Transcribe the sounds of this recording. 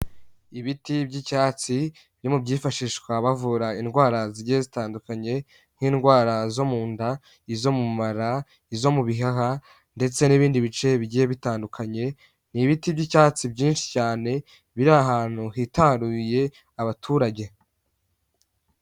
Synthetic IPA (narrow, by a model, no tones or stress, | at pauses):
iβitibɟicaːt͡si | bjo̞mubɟiːfaʃiʃkwaβavuɾainɡwaːɾaziɟiezitaːndukaɲe̞ | n̥hiːnɡwaːɾazo̞muːnda | izo̞mumaɾa | izo̞muβiɦaɦa | nde̞t͡se̞niβiːndiβit͡ʃe̞βiɟijeβitaːndukʰaɲe̞ | niβitibɟicaːt͡sibɟiːnʃi̥caːne̞ | βiɾaɦaːn̥huhitaɾuje̞ | aβatʰuːɾaɟe̞